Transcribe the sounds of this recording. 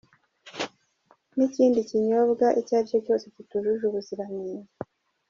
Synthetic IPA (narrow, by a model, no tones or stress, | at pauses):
niciːndiciɲo̞βɡaʔicaːjoco̞ːsecituʒuʒuβuziɾaniːɾa